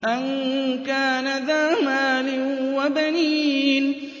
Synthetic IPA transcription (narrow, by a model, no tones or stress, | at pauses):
ʔankaːnaðaːmaːlɪwabaniːn